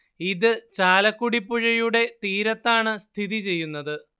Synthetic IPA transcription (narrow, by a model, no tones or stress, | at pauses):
iðɨt͡ɕaːlɐkːuɽipːuɻɐjuɽe̞t̪iːɾɐt̪ːaːɳɨst̪ʰiðit͡ɕe̞jːunːɐðɨ